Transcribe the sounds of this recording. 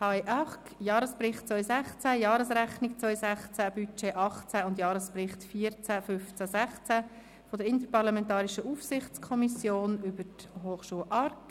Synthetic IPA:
hɑjʔɑχkjɑːɾəspɾɪχtt͡sʋœʏsæχt͡sæjɑːɾəsɾæχniɡ̚t͡sʋœʏsæχt͡sæb̥yt͡ʃeʔɑχt͡sæʊndjɑːɾəsprɪχtfiːəɾt͡sæfʏft͡sæsæχt͡sæ | fɔdəɾɪnt̪əɾpɑʁɾlɑmɛntɑːɾiʃəʔuːfsɪχt͡skʰɔmisjoːnybəthoːχʃuəlʔɑɾk

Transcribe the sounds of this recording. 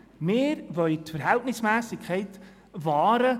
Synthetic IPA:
mɪːɾʋœʏt̪fəɾɦɛltnɪsmæːsɪkʰχɛɪt̪ | vɑːɾə

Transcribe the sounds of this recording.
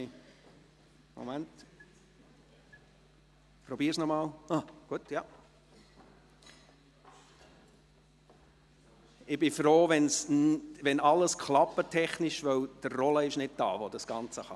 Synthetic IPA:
mo̰mænt | pɾɔbiːɾsnɔmɑːlaɡ̥uətjɑ | ɪbɪfɾoːvɛnsʋɛnɑləskχlɑpətʰɛχnɪʃvœwd̥ərːɔləɪʃnɪd̚d̥ɑ̰ːvod̥ɑsɡ̥ɑnt͡səχɑ

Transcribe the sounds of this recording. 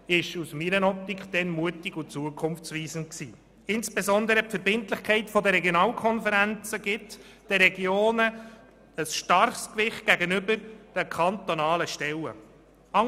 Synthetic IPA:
ɪʃusmiɾənɔp̚t̪ikχd̥̪ɛnmuətɪɡʊt͡suəkʰʊmft͡sʋiːzən̩ksiː | ɪnsb̥ezɔnd̪əɾəpfəɾbɪntlɪχkʰɛɪtfɔd̪əɾɛɡjonɑːlkʰɔnfəɾænt͡səɡ̥ɪt | d̥əɾɛɡjoːnə | əsʃtɑrχskʋɪχt̚ɡ̥æɡənʏbəɾd̥ɛkʰɑnt̪onɑːləʃtɛlə̰ | ɑ

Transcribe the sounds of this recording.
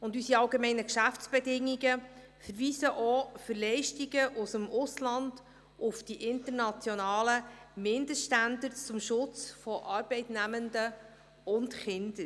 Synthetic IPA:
ʊndysiɑlɡemɛɪnəkʃæft͡sb̥ɛdɪŋːiɡə | fəɾviːsəʔɔfʏɾlɛɪʃtiɡəʔʊsəmʊslɑnd̥ | ʔʊfd̥iʔɪntəɾnɑt͡sjɔnɑːləmɪndəʃtændəɾt͡sʊmʃʊt͡sfɔʔɑːɾb̥ɛɪtnæməndə | ʊntχɪnd̥əɾ

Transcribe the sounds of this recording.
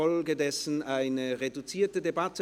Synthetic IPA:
ɔlɡədɛsn̩ʔaɪnəʁedut͡siːɐtədebatə

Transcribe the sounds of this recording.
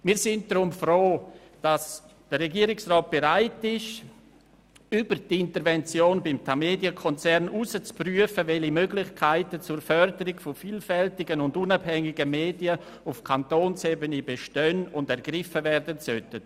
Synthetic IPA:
miːɾsɪnt̚d̥rʊmfroː | d̥asd̥əɾːɛɡiːəɾɪksrɔːt̚b̥eɾaɪtɪʃ | ybəɾdɪntəɾvɛnt͡sjoːnbɪmtʰameːdjəkʰɔnt͡sɛɾnusət͡spryəfəvɛlimøːɡlɪçkʰaɪtət͡sʊɾfœɾdəɾɪɡfɔfiːlfɛltɪɡənʊndʊnabhɛŋɪɡəmeːdiə | ʊfkʰantoːnsebənibeʃtœnʊndɛɾɡ̥ɾɪfəvɛrdənsœtət

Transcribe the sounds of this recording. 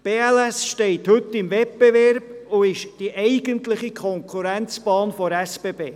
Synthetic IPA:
b̥eːɛlɛsʃtɛɪthɵt̪ːɪmvɛp̚b̥evɛɾb̥ʊɪʃd̥iʔɛɪɡənt̪ləχikʰɔŋkʰuɾænt͡sb̥ɑːnfɔɾɛsb̥eːbeː

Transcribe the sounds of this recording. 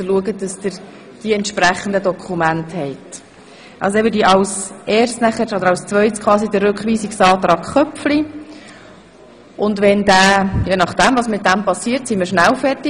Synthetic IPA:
dəluəɡəd̥ɑsd̥əɾ | d̥iɛntʃpɾæχəndədɔkʰumænthɛɪt | ʔɑ̰lsɛbədiʔɑlsɛːɾstnæχəodəɾɑwst͡sʋvœʏtskʰχʋɑːsidəɾɾʏkʋiːsiksɑːt̪ɾɑːkχœpfli | ʔʊndʋɛndæːjenɑχd̥æmvɑsmɪt̚d̥æmpɑsiːɾtsiməɾʃnælfɛrti

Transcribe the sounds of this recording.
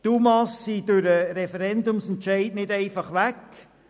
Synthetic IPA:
tumɑsːid̥ʉɾəɾɛfɛɾɛndʊmsɛntt͡ʃɛɪtnɪdɛɪfɑχʋæk

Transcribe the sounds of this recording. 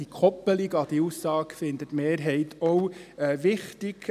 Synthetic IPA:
ikʰɔpːəlɪɡɑd̥iusːɑːkfɪnd̪ətmeːɾɦɛɪtʰɔwɛʋɪχtɪɡ̥

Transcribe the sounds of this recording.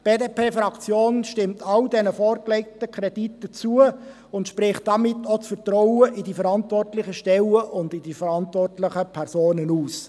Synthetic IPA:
b̥eːdepʰeːfɾɑkt͡sjoːnʃtɪmtʰɑldɛnəfɔːrkleɪk̚təkʰɾɛditːət͡suə | ʊntʃpɾɪχt̚d̥ɑmɪtːot͡sfərtrɔwəʔɪdifəɾɑntʋɔrtlɪχəʃtɛləʔʊndɪdifəɾɑntvʋɔrtlɪχəpʰɛrsoːnənuːs

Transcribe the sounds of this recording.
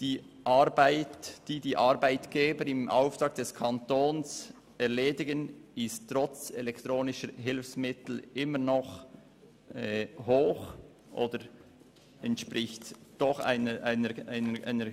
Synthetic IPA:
d̥iː | ʔɑɾbaɪtd̥iːdiːʔɑɾbaɪtɡ̥eːbəɾɪmʔa̰ʊft̪ɾʁɑːk̚d̥ɛskʰɑntoːns | ɛʁleːdɪɡənɪsttʁɔt͡sɛlɛkt̪ʁoːnɪʃəɦɪlfsmɪtl̩ɪmənɔχ | ɛhoːx | ʔo̰ːdəɾ | ɛntʃpʁɪçtd̥ɔχa̰ɪnəʔaɪnəaɪnəʔaɪnəɾ

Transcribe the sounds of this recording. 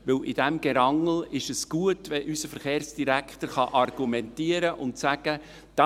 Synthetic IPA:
ʋɪlɪd̥ɛmɡ̥ɛɾɑŋl̩ɪʃəsɡ̥uətʋɛʔysəfəɾχeːrsd̥iɾækχt̪əɾχɑʔɑrɡ̥umɛntiːəɾəʔʊntsæɡ̥ə | d̥ɑ

